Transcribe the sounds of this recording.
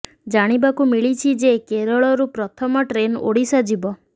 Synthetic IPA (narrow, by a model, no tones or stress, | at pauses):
d͡ʒaɽ̃ibakumiɭit͡ʃʰid͡ʒekeɾɔɭɔɾupɾɔt̪ʰɔmɔʈɾeno̰ɽisɔd͡ʒibɔ